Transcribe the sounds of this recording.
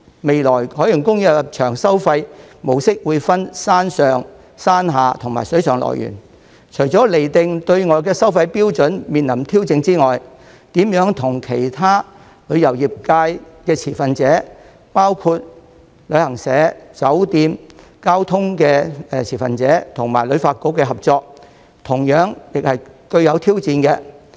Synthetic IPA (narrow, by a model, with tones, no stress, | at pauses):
me˨jlɔː˨˩jhɔː˨˥ji˨˩ŋkʊ˥ŋjɐ˨˧t͡ʃʰœː˨˩ŋsɐ˥wfɐ˧jmo˨wsɪ˥k̚wuː˨˧jfɐ˥nsaː˥nsœː˨ŋ | saː˥nɦaː˨˧t̪ʰʊ˨˩ŋmaː˨˩sɵ˨˥ɥsʰœː˨˩ŋlɔ̰ː˨˩jy̰ː˨˩n | t͡ʃʰɵ˨˩jt͡sɔː˨˥le˨˩jt̪ɪ˨˧ŋt̪ɵ˧ɥŋɔː˨˧jkɛː˧sɐ˥wfɐ˧jpiː˥wt͡sɵ˨˥nmiː˨nlɐ˨˩mt̪ʰiː˥wt͡sɪ˧ŋt͡siː˥ŋɔː˨j | t̪iː˨˥mjœː˨˥ŋt̪ʰʊ˨˩ŋkʰe˨˩jt̪ʰaː˥ | lɵ˨˧ɥjɐ˨˩wjiː˨˩p̚kaː˧jkɛː˧t͡sʰiː˨˩fɐ˨nt͡sɛː˨˥ | paː˥wkʰu˧t̚ | lɵ˨˧˥ɥhɐ˨˩ŋsɛː˨˥t͡sɐ˨˥wt̪iː˧m | kaː˥wt̪ʰʊ˥ŋkɛː˧t͡sʰiː˨˩fɐ̰˨nt͡sɛː˨˥t̪ʰʊ˨˩ŋma̰ː˨˩jlɵ˨˧ɥfaː˧t̚ko˨˥wkːɛː˧ɦɐ˨p̚t͡sɔː˧k̚ | t̪ʰʊ˨˩ŋjœː˨˥ŋjɪ˨k̚hɐ˨jkɵ˧ɥjɐ˨˧wt̪ʰiː˥wt͡siː˧nkɛː˧